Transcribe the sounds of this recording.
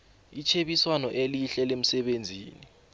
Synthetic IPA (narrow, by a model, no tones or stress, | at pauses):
it͡ʃʰeɓiswanɔʔeliɬɛlem̩sɛɓend͡zʱiːni